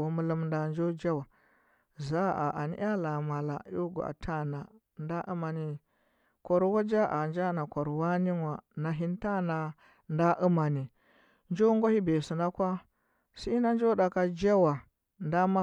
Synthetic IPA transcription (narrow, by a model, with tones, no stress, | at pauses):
mu˦lu˦mnda˨nd͡ʒo˦d͡ʒa˦wa˨ | za˦a˨ʔa˨nḭ˦a˦la˨ma˨la̰˨˦u˦ɡṵ˨a̰˨tʰa˦na˨ | nda˦ʔu˦ma˨ni˨ | kʷo˨ɾwa˦d͡ʒa˦ʔa˨nd͡ʒa˦na˨kʷa˨ɾwa˦ni˦nwa˨na˨ɦi˦n˦ta˦na˨ | nda˦ʔu˦ma˨ni˨ | nd͡ʒo˦ŋɡo˦hi˦be˨si˨na˦kʷa˦ | si˦na˦nd͡ʒo˦da˨ka˦d͡ʒa˦wa˨ | nda˦ma˦